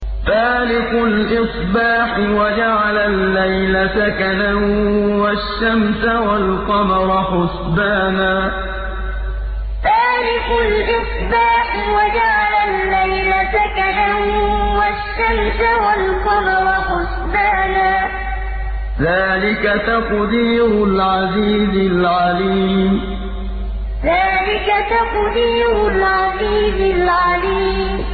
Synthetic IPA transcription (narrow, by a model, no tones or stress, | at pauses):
t̪aːlɪkʊlʔɪsˤbaːħwad͡ʒaʕalalːajlasakanawaʃːamsawalqɑmɑɾˤɑħʊs | baːnaː | taːlɪkʊlʔɪsˤbaːħ | wad͡ʒaʕalalːajlasakanamwaʃːamsawalqɑmɑɾɑxʊsbaːnaː | ðaːlɪkat̪ɑqd̪iːɾʊlʕaɑziːzɪlʕaɑliːm | ðaːlɪkat̪ɑqd̪iːɾʊlʕɑziːzɪlʕɑliːm